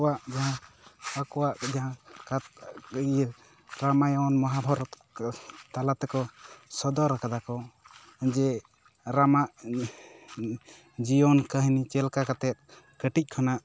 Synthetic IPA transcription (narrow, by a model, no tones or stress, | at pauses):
aʔd͡ʒaɦãakɔwaʔd͡ʒaɦãka | ɾamajɔnmɔɦabʱɔɾɔt̪ | t̪alat̪ɛkɔsɔd̪ɔɾakad̪akɔ | d͡ʒɛ | ɾamaʔ | d͡ʒijɔnkəɦnit͡ʃɛlkakat̪ɛt̪̚ | kəʈic̚ˀkʰɔnaʔ